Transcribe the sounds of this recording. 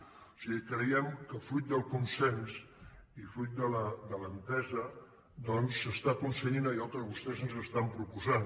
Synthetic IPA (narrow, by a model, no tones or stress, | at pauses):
o̥siɣikɾəjɛmkəfɾujt̪̚d̪əlˠkunsɛns | ifɾujt̪̚d̪ələd̪ələnt̪ɛzə | d̪ɔnsːəst̪akunsəɲinəialˠt̪ɾəβust̪ɛzənzəst̪ampɾupuzan